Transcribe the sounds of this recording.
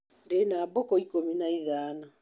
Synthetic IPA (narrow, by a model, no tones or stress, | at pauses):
denaːbɔkɔikominaiðaːna